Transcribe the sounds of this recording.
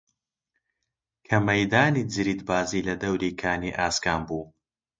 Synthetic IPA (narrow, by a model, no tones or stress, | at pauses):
kʰɐmɐjd̪aːnid͡zɨɾiːd̪baːziːlɐd̪ɐwɾiːkʰaːniʔaːskaːmbuː